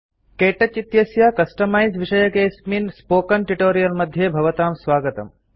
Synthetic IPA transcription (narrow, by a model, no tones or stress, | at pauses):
keːʈɐt͡ʃit̪jɐsjaːkɐsʈɐmajzʋiʃɐjɐkeːsminspoːkɐnʈiʈoːɾijɐlmɐd̪ʱjeːbʱɐʋɐt̪aːmsʋaːɡɐt̪ɐ̰m